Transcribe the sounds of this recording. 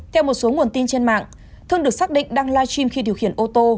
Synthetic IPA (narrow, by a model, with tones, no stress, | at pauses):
t̪ʰɛ˧wmo˨˩t̚so˨˦ŋu˨˩ənt̪i˧nt͡ɕe˧nma̰ː˧˨ŋ | t̪ʰɨ˧əŋɗɨ˨˩ək̚saː˦˥ɗḭ̈˧˨ŋ̟ɗaː˧ŋlaː˧t͡ɕwi˧mxi˧ɗi˨˩əwhi˧˩ənʔo˧t̪o˧